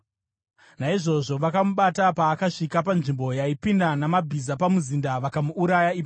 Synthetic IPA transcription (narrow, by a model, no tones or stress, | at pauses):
naiʐo̞ʐo̞ʋakamuɓatapaːkaʂikapanʐimbojaipindanamabʱizapamuzindaʋakamuːɾajaip